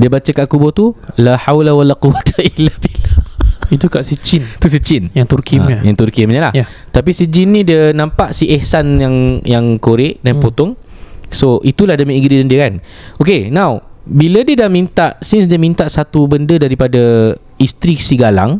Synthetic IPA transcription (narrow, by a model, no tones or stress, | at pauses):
diəbat͡ʃakaʔkubɔt̪ulaħawlawalaquwat̪ailːabilait̪ukaʔsət͡ʃint̪us̬ət͡ʃɪnjaŋt̪urkijaŋt̪urkimɲəlah | t̪apisid͡ʒinːĩdiənãmpaʔsiʔɛhsanjaŋjaŋkoɾɪʔdanpot̪ɔŋ | soʔit̪ulahdəmĩiɡɾidandiəkan | okenãwbilədiədaʔmint̪aʔsisdamĩnt̪aʔsat̪ubəndədaɾipada | ist̪ɾisiɡala̰ŋ